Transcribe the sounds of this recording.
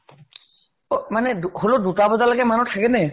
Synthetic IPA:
omaneduɦolod̪uʈabod̪alakemanoʈ̪ʰakene

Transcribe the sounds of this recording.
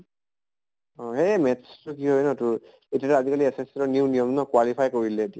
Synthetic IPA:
ɔɦemɛtstuk̬iɦojnɔtʊ | etiatɛazikaliesestɔnijuwnijɔmnɔkwalipʰajkoɹilɛetia

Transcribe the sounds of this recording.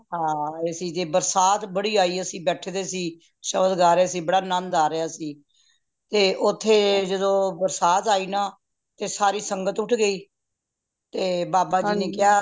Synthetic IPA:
ɦãːesĩːt̪eːbəɾsaːt̪bəɽiːaːiːəsĩːbɛːʈʰeːd̪eːsiː | ʃəbəd̪ɡaːɾeaːsiːbəɽaːnənd̪aːɾɪaːsiː | t̪eːʔʊt̪ʰːeːd͡ʒəd̪õːbəɾsaːt̪aːiːnãː | t̪eːsaːɾiːsəŋɡət̪ʊʈʰɡəiː | t̪eːbaːbaːiːnẽːkɪjaː

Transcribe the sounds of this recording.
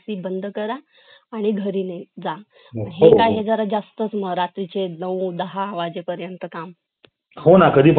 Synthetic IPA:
siːbənd̪ʱəkəɾaː | ɽ̃iɡʱəɾiːned͡za | ɦekajɦed͡zəɾad͡zast̪ət͡sməɾat̪ɾit͡ɕenəwd̪əɦaːʋad͡ʑepəɾjənt̪əkam | honakəd̪iːp

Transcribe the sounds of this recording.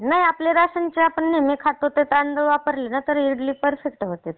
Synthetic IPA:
naɦiapleɾaɕənt͡ɕeapəɳːemekʰat̪ot̪et̪and̪əʋapəɾlenat̪əɾiɾɽliːpəɾfekʈɦot̪et̪

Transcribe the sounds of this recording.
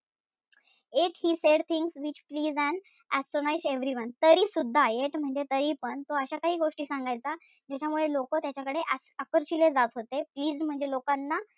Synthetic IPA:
ekhiːseɽt̪ʰĩŋɡsʋit͡ɕpliːd͡zɛ̃ɳ | æsʈɾonajsʈeʋɾiʋənt̪əɾiːsud̪ʱːajeʈm̤əɳd͡zet̪əɾiːpəɳt̪oəɕakaɦiːɡoʂʈiːsãŋɡajt͡sa | d͡ʑat͡ɕamuɭelokət̪jat͡ɕakəɽeʔasəkəɾɕiled͡zat̪ɦot̪epliːd͡zm̤əɳd͡zelokanːa

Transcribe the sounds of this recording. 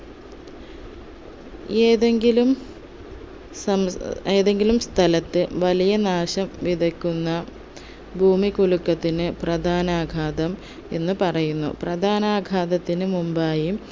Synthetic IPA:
ðŋɡilum | eːðe̞ŋɡilumst̪ʰɐlɐt̪ːɨʋɐlijɐnaːɕɐmʋid̪ʱɐkːunːɐ | bʱuːmikuɭukːɐt̪ːinɨprɐd̪ʱaːnaːɡʱaːd̪ɐm | e̞nːɨpɐrɐjunːṵprɐd̪ʱaːnaːɡʱaːd̪ɐt̪ːinɨmumbaːjim

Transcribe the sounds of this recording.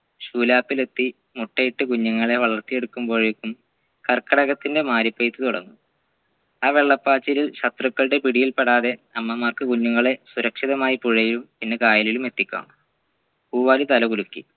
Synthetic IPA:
ɕuːlaːpːile̞t̪ːi | muʈːejiʈːɨkuɲːuŋːɐɭe̞ʋɐɭɐrt̪ːije̞ɽukːumbo̞ːɻekːum | kɐrkːɐɽɐɣɐt̪ːinde̞maːɾipːɐjit̪ːɨt̪uɽɐ̰nːu | aːʋe̞ɭːɐpːaːt͡ɕːililɕɐt̪rukːɐɭɽe̞piɽijilpeɽaːðe̞ɐmːɐmaːrkɨkuɲːuŋːɐɭe̞suɾɐkʂiðɐmaːjipuɻɐjilumpinːekaːjɐlilume̞t̪ːikʲːa̰ːɳ | kuːʋaːlit̪ɐlɐkulukʲːḭ

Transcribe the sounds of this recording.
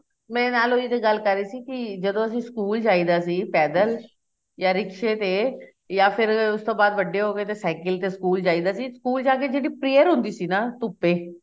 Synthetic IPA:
mɛ̃ːnaːloːit̪eːɡəlkəɾːiːsiːkɪd͡ʒəd̪õːəsĩːskuːld͡ʒaːiːd̪aːsiːpɛːd̪əl | jaːɾɪkʃeːt̪eː | jaːpʰɪɾʊst̪õːbaːd̪ʋəɖːeːɦoːɡeːt̪eːsɛːkɪlt̪eːskuːld͡ʒaːiːd̪aːsiːskuːld͡ʒaːkeːd͡ʒeːɽiːpɾeːəɾɦʊ̃nd̪iːsiːnaːt̪ʊpːeː

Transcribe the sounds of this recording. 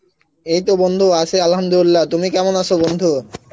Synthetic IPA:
ejt̪obond̪ʱuat͡ɕʰealɦɐmd̪uilːat̪umikɛmonaʃʰobond̪ʱu

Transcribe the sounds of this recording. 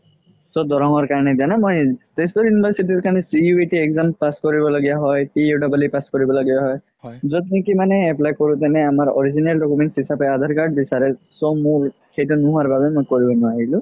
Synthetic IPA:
sɔd̪ɔɾɔŋɔɹkaɹnɛd̪ijanamɔjtestɔjunibʱaɹsiʈiɹkanɛsijuiʈiekzampaskɔɹibɔlaɡijaɦɔjtieɖɔbalipaskɔɹibɔlaɡijaɦɔj | zɔt̪nikimanɛːplajkɔɹut̪̬anɛamaɹɔ̰ɹizinalɖɔkumenʈsɦisapɛad̪ʱaɹkaɹɖ̚bisaɾɛsɔmũ | xejtunuɦuaɹbabɛmojkɔɹibɔnɔaɦilʊ̃

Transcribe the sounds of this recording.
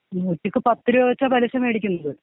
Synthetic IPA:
nuːtːikːɨpɐt̪ːɨɾuɐt͡ɕːɐbɐlɐɕɐme̞ːɽikʲːunːuðɨ

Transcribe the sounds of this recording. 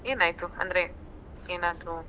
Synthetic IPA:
eːnaːjt̪uɐ̰nd̪ɐɾe | eːnaːd̪ɾu

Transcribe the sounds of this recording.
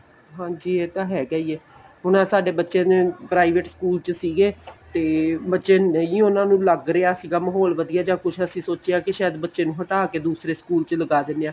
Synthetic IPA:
ɦãːd͡ʒiːeːt̪ãːɦɛːɡəːiːɛː | ɦʊnãːsaːɖeːbətːʃẽːnẽːpɾaːiːʋeʈskuːlt͡ʃsiːɡeːt̪eːbətːʃeːnəĩːʊnãːnũːləɡɾeaːsiːɡaːməɦoːlʋəd̪iːaːd͡ʒãːkʊt͡ʃʰəsĩːsoːt͡ʃeaːkɪʃaːjəd̪bətːʃeːnũːɦəʈaːkeːd̪uːsɾeːskuːlt͡ʃələɡaːd̪ɪneːaː

